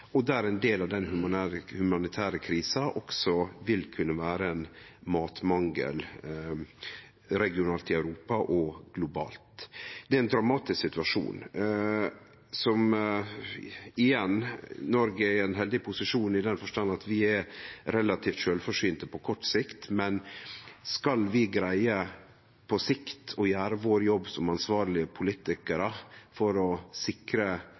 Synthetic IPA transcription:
ɔd̪æɾɛnd̪eːlɑʋd̪ɛnhʉmnːhʉmɑnɪt̪ʰæːɾəkʰɾiːsɑʔɔksɔʋɪlkʰʉnːəʋæːɾəɛnmɑːt̪mɑŋɡə̰l | ɾɛɡɪʊnɑːlt̪ɪœʉɾuːpɑʔɔɡ̥lʊbɑ̰ːlt̪d̪̥ɛɾɛnd̪ɾɑmɑːt̪ɪsksɪt̪ʉɑʂṵːn | sɔm | ɪjɛnnɔɾɡəɛɾɛnɦɛld̪ɪpʰʊsɪʂuːnɪd̪ɛnfɔʂʈɑnɑt̪ʋɪɛɾɾɛlɑt̪ʰiːft̪ʃøːlfɔʂiːnt̪əpʰɔkʰɔʈːsɪkt̪mɛnskɑlʋɪɡɾæɪə | pʰɔsɪkt̪ʰɔjæːɾəʋoːɾjɔbːsɔmɑnsʋɑːɾɭɪəpʰʊliːt̪ɪkəɾəfɔɾɔsɪkɾə

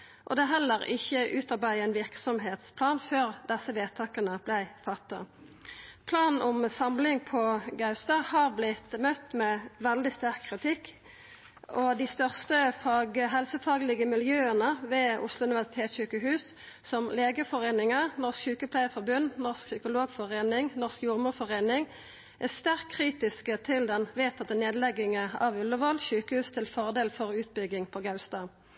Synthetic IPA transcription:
ʔɔ̰d̪ɛɦɛlːəʁɪçːəʔʉːt̪ɑʁbæɪæɪnʋɪʁksɔmɦeːt̪spʰlɑːnføːʁd̪ɛsəʋeːt̪ʰɑːkənəb̥læɪfɑt̪ːə̰ | pʰlɑːnn̩ʔʊmsɑmlɪŋpʰɔɡɑʉst̪ɑːhɑʁblɪt̪mœt̪ːmɛʋɛld̪ɪst̪æʁkʰːʁɪt̪ʰɪkː | ɔd̪ɪst̪œʁst̪əfɑːɡəɦɛlsəfɑːɡlɪɡəmɪljøːənəʋeːʊ̰slʊʉnɪʋæʁsɪ̥t̪ʰeːt̪sçʉːkəɦʉːs | sɔmleːɡəfɔʁeːnɪŋənɔskçʉːkəpʰlæɪəfɔʁbʉnːnɔʁsksʏkʊloːɡfɔʁeːnɪŋnɔʁskjʊʁmʊːfɔʁeːnɪŋ | ʔæst̪æʁkʰːʁiːt̪ɪskət̪ʰɪld̪ɛnʋeːt̪ʰɑt̪ːəneːd̪lɛɡɪŋəɑʋʉlːəʋɔlçʉːkəhʉːst̪ʰɪlfɔʁd̪eːlfɔʁʉːt̪̚bʏɡɪŋpʰɔɡɑʉst̪ɑ

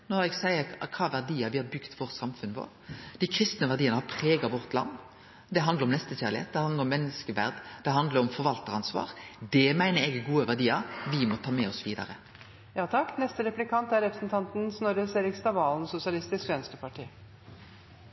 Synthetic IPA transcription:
noɛɡsæɪəɾkʰɑːʋæʁd̪iːɑʋɪhɑɾbʏɡt̪ʋɔɾt̪sɑmfʉnʋo̰ːɾd̪̥ɪkʰɾɪst̪nəʋæʁd̪iːənəhɑpʰɾeːɡɑʋɔʁt̪lɑ̰nː | d̪ɛɦɑnd̪ɾɔmnɛst̪əçæːʁlɪhḛːt̪̚d̪ɛhɑnd̪əɾɔmːɛnːəskəʋæ̰ʁd̪d̪ɛɦɑnd̪ləɾɔmfɔɾʋɑlt̪əɑnsʋɑ̰ːɾd̪ɛmæɪnəɾɛɡɡuːəʋæʁd̪iːɑʋɪmɔt̪ʰɑːmɛɔsʋiːd̪ɑ̰ɾə | jɑːt̪ʰɑkːnɛst̪əɾɛplɪkʰɑnt̪æɾɛpɾəsn̩t̪ʰɑnt̪n̩snɔɾəseːɾɪkst̪ɑʋɑːlnsʊsɪɑlɪst̪ɪskʋɛnst̪əpɑʈʰiː

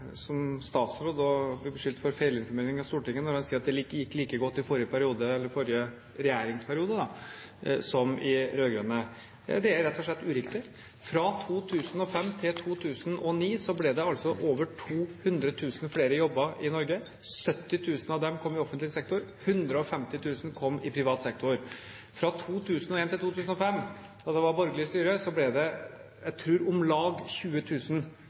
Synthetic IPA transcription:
sɔmst̪ɑːt̪sɾoːd̪ɔblɛbəʂʏlt̪fɔɾfeɪləɪnfɔɾmeːɾɪŋɑst̪uːʈɪŋːənɔɾhɑnsiːɾɑt̪d̪ɛlikːljɪkːliːkəɡɔt̪ːɪfɔɾɪəpʰæɾɪuːd̪əɛlːəɾfɔɾɪə | ɾɛjæːɾɪŋspʰæɾɪuːd̪əd̪ɑ | sɔmɪɾøːɡɾønə̰ | d̪ɛæɾɾɛt̪ːɔʂɭɛt̪ːʉːɾɪkt̪ɪ | fɾɑt̪ʰuːt̪ʰʉːsən̩ɔfɛmːt̪ʰɪlt̪ʰuːt̪ʰʉːsənɔniːsɔblɛd̪ɛɑlsɔʔoːʋəʈʰuːhʉnd̪ɾət̪ʰʉːsnfleːɾəjɔbːɑɪnɔɾɡə | sœt̪ːɪt̪ʰʉːsnɑʋd̪ɛmkʰɔmːɪɔfənt̪lɪəsɛk̚t̪ʊɾ | hʉnd̪ɾəɔfɛmt̪ɪt̪ʰʉːsn̩kʰɔmːɪpʰɾɪʋɑːt̪sɛk̚t̪ʰʊɾ | fɾɑt̪ʰuːt̪ʰʉːsnɔeːnt̪ɪlt̪uːt̪ʉːsən̩ɔfɛmː | d̪ɑːd̪ɛʋɑɾbɔɾɡəlɪəst̪yːɾəsɔblɛd̪ɛ | jæɪt̪ʰɾʉːɾʊmlɑːɡçʉːət̪ʰʉːsn

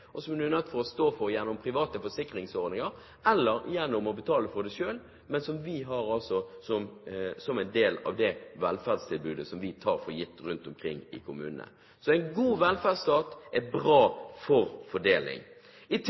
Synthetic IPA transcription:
ɔsɔmɛnʉːnœt̪ːfɔɾɔst̪oːfɔɾjɛnːʊmpʰɾɪʋɑːt̪əfɔsɪkɾɪŋsɔɾd̪ɪŋəɾ | ɛlːəɾjɛnːʊmɔbət̪ʰɑːləfɔd̪ɛʃøːl | mɛnsɔmʋɪɦɑɾɑlsɔsɔmsɔmæɪnd̪eːlɑ̰ʋd̪ɛʋɛlfæd̪st̪ʰɪlbʉːd̪əsɔmʋɪt̪ʰɑːɾfɔɾjɪt̪ːɾʉnt̪ʊmkʰɾɪŋːɪ̰kʰʊmʉ̰ːnənə̰ | sɔæɪnɡuːʋɛlfædst̪ɑːt̪ɛbɾɑːfɔɾfɔɖeːlɪ̰ŋ | ɪt̪ʰ

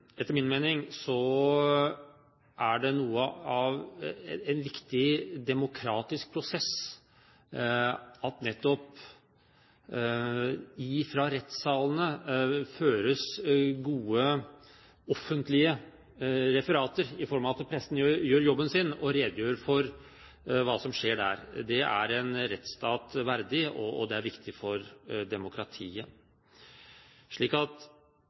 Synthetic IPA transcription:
ɛt̪ːəɾmɪnmeːnɪŋsɔ | ʔæɖɛnuːəɑʋɛnʋɪkt̪ɪd̪ɛmʊkʰɾɑːt̪ɪsk̚pʰɾʊsɛs | ɑt̪nɛt̪ːɔp | ɪfɾɑɾɛt̪sɑːlənəføːɾəsɡuːə | ɔfːənt̪lɪə | ɾɛfəɾɑːt̪əɾɪfɔɾmɑɑt̪pʰɾɛsːn̩jøjøːɾjɔbːənsɪnɔɾeːd̪jøːɾfɔɾ | ʋɑːsɔmʂeːɖæ̰ɾd̪ɛʔæ̰ɾɛnɾɛt̪st̪ɑːt̪ʋæɾd̪ɪɔ̰ɔ̰d̪ɛæɾʋɪkt̪ʰɪfɔɾd̪ɛmʊkɾɑt̪ʰiːə | ʂɭiːkɑt̪

